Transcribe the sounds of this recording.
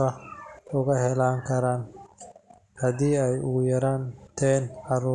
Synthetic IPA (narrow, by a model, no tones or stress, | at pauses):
ɐʊɣɐɦɛlaːŋkʰɐɾaːn | hɐðiːɛjʊjɐɾaːnt̪ʰɛːnʕɑɾuː